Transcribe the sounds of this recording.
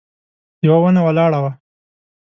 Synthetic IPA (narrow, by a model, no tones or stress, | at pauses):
jawawanawɐlɑːɽawa